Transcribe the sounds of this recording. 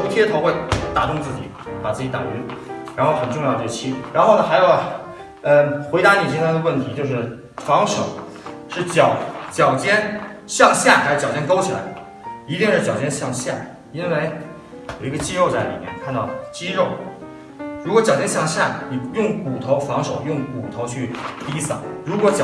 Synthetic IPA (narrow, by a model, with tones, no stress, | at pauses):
o˧˥ʊt̪ʰi˥ə˧t̪ʰʊwe˥˩ɪt̪a̰˨˩ʈ͡ʂ̪ʊ˥˧ŋt͡sɹ̩˥˩t͡ɕḭ˨˩˦pa˨˩t͡sɹ̩˥˩t͡ɕi˧˥t̪a̰˨˩y˧˥ɻa˧˥nxo˥˩ʊxə˨˩nʈ͡ʂʊ˥˧ŋjd̪ə˩˥˩t͡ɕʰi˥˩ɻa˧˥nxo˥˩ʊnə˩xa˧˥ɪjo˨˧˩ʊ | ə˧xwe˧˥ɪɾa˧˥ni˨˩t͡ɕ̬i˥ŋt̪ʰɑ˥d̪ə˧wə˥˩nt̪ʰi˧˥t͡ɕjo˥˧ʊʂɻ̩˥˩ | fɑ˧˥ŋʂo̰˨˩˦ | ʂɻ̩˥˩t͡ɕjɑ˨˧˩ʊt͡ɕjɑ˨˩ʊt͡ɕjɛ˥nɕjɑ˥˧ŋɕja˥˩xa˥o˧˩t͡ɕjɑ˨˩ʊt͡ɕjɛ˥nko˥ʊt͡ɕʰi˨˩la̰˧˥ɪ | i˧˥t̪i˥˧nʂɻ̩˥˩t͡ɕjɑ˨˩ʊt͡ɕjɛ˥nɕjɑ˥˧ŋɕja̰˥˩ | i˥n˥we˥˧˩ɪ | jo˨˩ʊi˧˥ɡə˧t͡ɕi˥ɻo˥˧ʊt͡sa˥˩ɪlḭ˨˩mjɛ̰˥˩nkʰa˥˧nt̪ɑ˥˩ʊt͡ɕi˥ɻo˥˩ʊ | ɻu˧˥kwɔ˧˥t͡ɕjɑ˨˩ʊt͡ɕjɛ˥nɕjɑ˥˧ŋɕja̰˥˩ni˨˩jʊ˥˩ŋku˨˩t̪ʰo˧˥ʊfɑ˧˥ŋʂo˨˩ʊjʊ˥˩ŋku˨˩t̪ʰo˧˥ʊt͡ɕʰy˥˩t̪i˥sɑ̰˨˩˦ɻu˧˥kwɔ˧˥t͡ɕɑ˨